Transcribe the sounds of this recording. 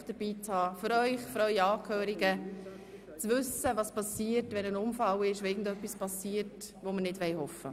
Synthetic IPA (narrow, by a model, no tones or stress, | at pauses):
d̥əɾb̥iːt͡shɑːfʏɾœʏχfɾœʏɑːkʰhøːɾiɡə | t͡svʏsəvɑspɑsiːətʋɛnənʊmfɑlɪʃoɪɡn̩dœpːispɑsiːət | ʋomənɪdʋɛjhɔfə̰